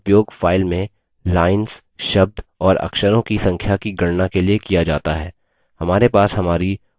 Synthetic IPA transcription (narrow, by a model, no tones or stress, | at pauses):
pjoːɡfaːɪlmẽ | laːɪnz | ʃɐb̚d̪ɔːɾɐ̰kʃəɾõkisɐ̃ŋkʰjakiɡɐɽnakeliekijad͡ʒa̰ːt̪aɦɛː | hɐmaːɾepaːsɦɐmaːɾi